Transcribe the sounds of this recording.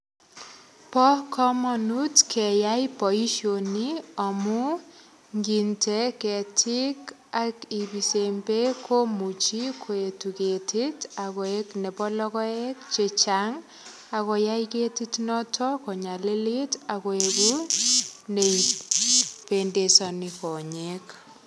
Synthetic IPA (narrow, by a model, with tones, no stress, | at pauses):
pɔ˦kʰɔ˦mɔnutkʰɛ˨jajpɔ˨i˦ʃo˨niɔ˨mu˦ | ŋɡi˨nte˨kɛ˨tʰik | a˨ki˨bi˨sembe˦kʰo˦mu˨t͡ʃi˦kʰo˨e˨tu˨ke˨tʰita˨kɔ˨ekne˨pɔ˦lɔ˦kɔ˦ek̚t͡ʃet͡ʃaŋ | a˨kɔ˨ja˦iketitnɔ˦tʰɔko˨ɲa˨le˦litakɔ˨eku | ne˨i | pendesɔ˨nikɔ˨ɲek